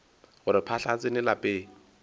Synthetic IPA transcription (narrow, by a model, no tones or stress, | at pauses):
ɣʊɾɪpʰaɬat͡sʼɪnɪlapʼɪː